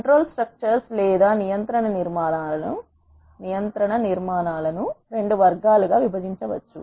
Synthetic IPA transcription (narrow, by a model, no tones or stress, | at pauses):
kɐɳʈɾoːlsʈɾɐk̚t͡ʃɐɾslɛːd̪aːnijɐnt̪ɾɐɳɐniɾmaːɳaːlɐnu | nijɐnt̪ɾɐɳɐniɾmaːnaːlɐnuɾe̞ɳɖuʋɐɾɡaːluɡaːʋibʱɐd͡ʒiɲt͡ʃɐʋɐ̰t͡ʃːṵ